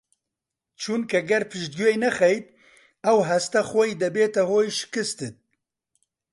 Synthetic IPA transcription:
t͡ʃʰunkʰɐɡɛɾpʰɨʃd̪̚ɡuejnɛxɛjt̪̚ | ɛwɦɛst̪ɛxɔjd̪ɐbeːt̪ɛhoːjʃɪ̥kɨst̪ɨt̪̚

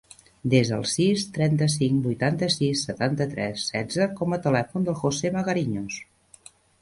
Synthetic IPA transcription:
d̪ezðəlˠsist̪ɾɛnt̪əsiŋkbujt̪ant̪əsisːət̪ant̪ət̪ɾɛsːɛd͡zəkɔmət̪əlɛfund̪əlˠxoseməɣəɾiɲos

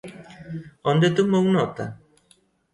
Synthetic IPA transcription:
ɔnd̪et̪umownɔt̪a̰

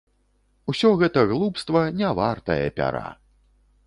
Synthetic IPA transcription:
usʲɔɣɛt̪ɐɣlˠupst̪vɐnʲɛvart̪ɐjɐ̰pʲa̰ɾa̰

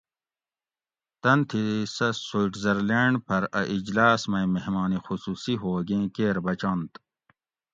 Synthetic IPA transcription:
t̪ɐnt̪ʰisɐsuʈʰzɐɾleɳɖpʰɐɾɐʔid͡ʑlaːsmɐjmeɦmaːnixusuːsiɦoːɡẽːkeːɾbɐt͡ɕãnt̪

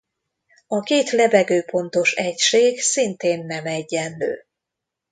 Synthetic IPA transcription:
ɒkeːt̪lɛbɛɡøːpo̞nt̪o̞ʃɛcʃeːɡsint̪eːnːɛmɛɟːɛnlø̰ː

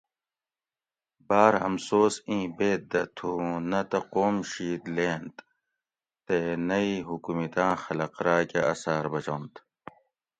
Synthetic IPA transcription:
baːɾɐmsoːsĩːbeːt̪̚d̪ɐt̪ʰunɐt̪ɐqoːmɕiːt̪leːnt̪ | t̪enɐiɦukumit̪ãːxɐlɐqɾaːkeɐsaːɾbɐt͡ɕont̪

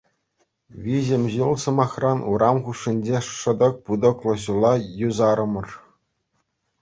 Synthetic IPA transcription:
ʋʲiʑɘ̆mʲʑɯlˠsɤ̆mɑχrɑnʔuɾʔɑmχuʂːinʲd͡ʑeʂɤ̆d̪ɤ̆k̚pud̪ɤ̆klˠɤ̆ɕulˠːɑjuzɑɾɤ̆mɤ̆r

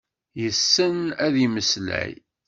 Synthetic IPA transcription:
jəsːənæðiməslæ̰j

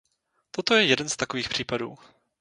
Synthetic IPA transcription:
t̪ot̪o̞jɛjɛdɛnst̪ako̞viːxpr̝̥iːpaduː

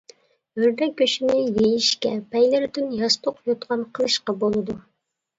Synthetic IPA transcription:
bøɾd̪ɛk̚ʲːøʃinɪjejiʃkʲɛpʰɛjlɪɾyd̪ynjɑst̪oqjot̪qɑnqʰəlˠɨʃqɑbolˠɨd̪u

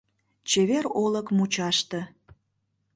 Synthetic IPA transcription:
t͡ɕeβeɾoləkmut͡ɕɑʃt̪ə̆

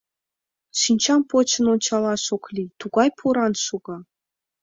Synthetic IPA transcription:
ʃinʲt͡ɕɑmpot͡ɕə̆nonʲt͡ɕɑlˠɑʃoklʲit̪uɡɑjpʰuɾɑnʃuɡ̥ɤ̆

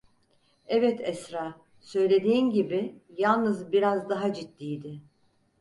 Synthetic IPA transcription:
ɛvɛt̪ʰɛsɾaː | sø̞jlʲe̞d̪iːnɟibɪjalˠnɯzbiɾazd̪aɦad͡ʒit̪ːijd̪ɪ

